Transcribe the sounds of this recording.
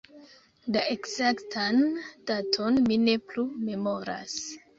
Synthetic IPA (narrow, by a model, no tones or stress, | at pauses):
daekzaktʰand̥atʰo̞nmine̞plume̞mo̞ɾa̰s